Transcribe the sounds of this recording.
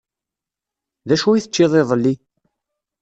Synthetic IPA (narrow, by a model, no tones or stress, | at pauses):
ðæʃuiθət͡ʃːeðˤeðˤəlːi